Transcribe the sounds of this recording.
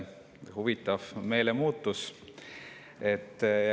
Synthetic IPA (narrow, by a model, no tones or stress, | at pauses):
huvit̪ːˑɑvme̞ːlemuːt̪ˑːus | e̞t̪ː